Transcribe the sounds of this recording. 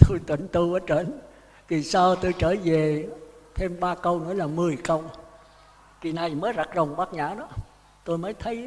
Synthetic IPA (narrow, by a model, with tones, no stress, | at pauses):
t̪o˧jt̪wḭ˧˨ŋt̪u˧ʔəː˨˦t͡ɕə˧˩n | vi˨˩saː˧wt̪o˧jt͡ɕəː˧˩ve˨˩t̪ʰe˧mɓaː˧kə˧wnɨ̰˧˥əlaː˨˩mɨ˨˩əjkə˧w | ki˨˩na˨˩jməː˨˦jza˨˩k̚zə˨˩wŋ͡mɓaː˦˥k̚ɲa̰ː˧˥ɗɔ˨˦ | t̪o˧jməː˨˦jt̪ʰə˨˦j